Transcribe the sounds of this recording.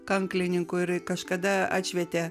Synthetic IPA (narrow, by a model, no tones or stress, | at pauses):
kɐŋklʲɪnʲɪŋkʊɪɾkɐʃkɐd̪ɐɑ̰ːt̪ʲʃʲʋʲɛt̪ʲe